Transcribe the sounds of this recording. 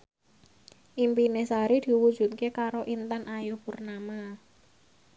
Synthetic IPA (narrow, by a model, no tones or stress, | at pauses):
ʔimpinesaɾid̪̥i̤wu̥ʒ̥ṳt̪̚kekaɾoʔint̪anʔajupurnama